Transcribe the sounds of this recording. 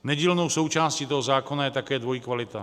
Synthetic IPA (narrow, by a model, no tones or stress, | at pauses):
nɛɟiːlnowso̞wt͡ʃaːsciːt̪oɦozaːko̞najɛt̪akɛːdvojikvalɪt̪a